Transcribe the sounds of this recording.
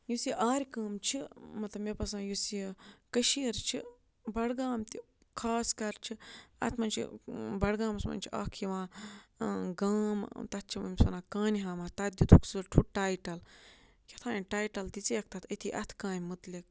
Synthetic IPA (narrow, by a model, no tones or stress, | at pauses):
jusiʔaːɾʲkaːmt͡ʃʰimɐt̪lɐmepɐs̬ãːjusikɐʃiɐɾt͡ʃʰi | bɐɽɡaːmt̪i | kʰaːskɐɾt͡ʃʰiɐ̰t̪ʰmɐnt͡ʃʰḭbɐɽɡãːmɐsmɐ̰nʲt͡ʃʰia̰ːkʰiʋãː | ɡaːmt̪ɐt̪̚t͡ʃʰimɐmʲsɐnaːkãːniɦaːmat̪ɐt̪̚d̪ut̪ʰuksɨɾʈʰuʈaːjʈɐl | kʲet̪ʰãːniʈaːjʈɐld̪it͡seːk̚t̪ɐt̪ʰɐt̪ʰiʔɐt̪ʰkãːnʲmut̪lik̚